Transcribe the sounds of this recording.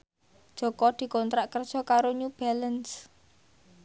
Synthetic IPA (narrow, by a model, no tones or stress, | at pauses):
d̥ʒ̥ɔ̤kɔd̪̥i̤kɔnt̪ɾaʔkər̥ʒ̥ɔ̤kaɾoɲub̥aləns